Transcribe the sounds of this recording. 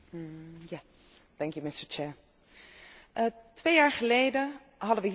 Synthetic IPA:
ja | dɛŋkjumɪstəɹt͡ʃɛːɹ | ʔətʋejaːɹχəlejdə | ɦɑdəʋəɦ

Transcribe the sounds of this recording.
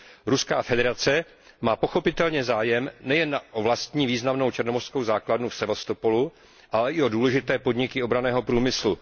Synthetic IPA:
ɾuskaːfɛdɛɾat͡sɛ | maːpo̞xo̞pɪt̪ɛlɲɛzaːjɛmnɛjɛnːaʔovlast̪ɲiːviːznamno̞wt͡ʃɛrno̞mor̥sko̞wzaːkladnufsɛvast̪o̞po̞lu | ʔalɛʔɪo̞duːlɛʒɪt̪ɛːpo̞dɲɪkɪo̞bɾanɛːɦo̞pɾuːmɪslu

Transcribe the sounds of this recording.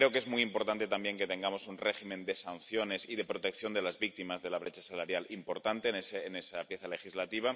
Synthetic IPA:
ɾe̞oke̞zmujimpoɾt̪ant̪e̞t̪ambje̞ŋket̪e̞ŋɡamo̞sunreximẽnd̪e̞sanθjone̞siðe̞pɾot̪e̞kθjo̞nd̪e̞lazβik̚t̪imazðe̞laβ̞ɾet͡ʃasalaɾjalimpo̞ɾt̪ant̪eneseːnesapje̞θale̞xizlat̪iβ̞a

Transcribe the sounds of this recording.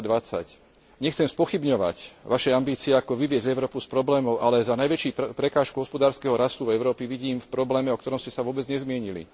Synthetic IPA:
d̪ʋat͡sa̰c | ɲɛxt͡sɛmspɔxibɲɔʋa̰cʋaʃɛambiːt͡siɛakɔʋiʋɪɛzɛʊɾɔːpuspɾɔblɛːmɔʊʔalɛzanajʋɛt͡ʃiːpɾɛkaːʃkuɦɔspɔd̪aːɾskɛɦɔɾast̪uvɛʊɾɔːpiʋiɟiːmfpɾɔblɛːmɛɔkt̪ɔɾɔmscɛsaʋʊɔːbɛd͡zɲɛzmɪɛɲilḭ

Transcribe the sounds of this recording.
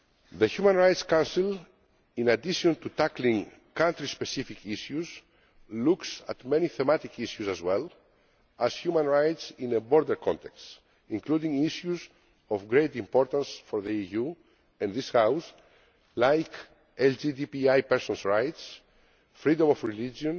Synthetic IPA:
ðəhjumãnɹajt̪skãwnsil | ĩnad̪iʃõnt̪ut̪aklĩŋ | kãnt̪ɾispesifikʰiʃjuz | luksa̰t̪mɛ̃niθemat̪ikʰiʃjuzazwɛl | ashjumãnɹajt̪sĩnəbɔɾd̪əɾkʰɔ̰̃nt̪ɛks | ĩŋklud̪ĩŋiʃjuz | ɔfɡɾejt̪ĩmpɔɾt̪ãnsfɔɾðəiju | ɛ̃nd̪ishaws | lajk | ɛld͡ʒid̪ipiajpɛɾsɔ̃nsɹajt̪s | fɾid̪õmɔfɹilid͡ʒõn

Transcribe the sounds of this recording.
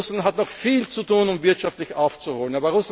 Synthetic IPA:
sanɦatnɔχfiːlt͡sutuːnʊmvɪɐtʃaftlɪçʔaʊft͡suhoːlənaːbɐʁʊs

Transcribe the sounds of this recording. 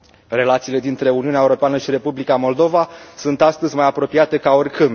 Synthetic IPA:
re̞lat̪siːle̞d̪int̪ɾe̞uniuneaeuɾo̞peanəʃiɾe̞publikamo̞ld̪o̞vasunt̪ast̪əzʲmajapɾo̞pijat̪e̞kaorkɨm

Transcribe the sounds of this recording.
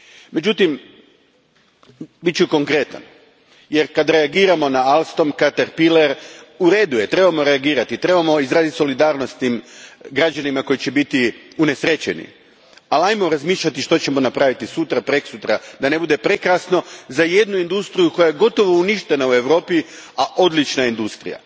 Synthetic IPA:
me̞d͡ʑut̪im | bit̪̚t͡ʃuko̞ŋkɾe̞t̪a̰n | je̞ɾkad̪ɾeaɡiːɾamo̞naalˠst̪o̞mkat̪aɾpileɾuɾe̞d̪uje̞t̪ɾe̞bamo̞ɾe̞aɡiːɾat̪it̪ɾe̞bamo̞izɾaːzit̪so̞lid̪aːɾnost̪t̪imɡɾad͡ʒanimako̞jit͡ɕebit̪iune̞sɾe̞t͡ɕe̞̰nḭ | alajmo̞ɾazmiːʃʎat̪iʃt̪o̞t͡ɕe̞mo̞napɾaʋit̪isut̪ɾapɾe̞ksut̪ɾad̪ane̞bud̪e̞pɾekɾasno̞zaje̞d̪nuind̪ust̪ɾijuko̞jajeɡo̞t̪o̞ʋo̞uniʃt̪e̞naue̞ʋɾo̞ːpi | aʔo̞d̪lit͡ʃnaind̪ust̪ɾija̰

